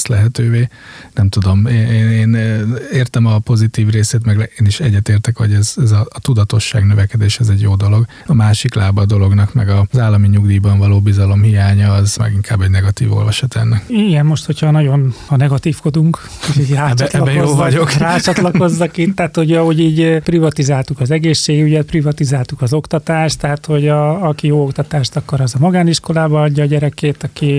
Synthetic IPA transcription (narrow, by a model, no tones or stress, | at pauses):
slɛɦɛt̪øːveː | nɛmt̪ud̪o̞meːneːneːneːrt̪ɛmɒpo̞zit̪iːvreːseːt̪mɛɡeːniʃɛɟːɛt̪eːrt̪ɛkʋɒɟɛzɛzɒːt̪ud̪ɒt̪o̞ʃːaːɡnøvɛkɛd̪eːʃɛzɛɟjoːd̪o̞lo̞ɡ | ɒmaːʃiklaːbɒd̪o̞lo̞ɡnɒkmɛ̰ɡɒzaːlːɒmiɲuɡd̪iːbɒɱvɒloːbizɒlo̞mhijaːɲɒːzmɛ̰ɡiŋkʰaːbːɛɟnɛɡɒt̪ḭːvo̞̰lvɒʃɒt̪ɛ̰nːɛkiɡɛmmoʃt̪ho̞chɒnɒɟo̞nɒnɛɡɒt̪iːfko̞d̪uŋk | hochoɟraːt͡ʃt̪ɛɒbkjoozɒɟokraːt͡ʃɒt̪lɒko̞zːɒkit̪ːɛːt̪hoɟɒho̞ɟiːɟprivɒt̪izaːlt̪ukɒzɛɡeːʃːeːɡuɟɛt̪̚privɒt̪izaːlt̪ukɒzo̞kt̪ɒt̪aːʃt̪ːɛɦat̪ho̞ɟɒːkijoːokt̪ɒt̪aːʃt̪ɒkːɒɾɒzɒmɒɡaːniʃko̞laːbɒɒɟːɒːɟɛɾɛkeːt̪ɒki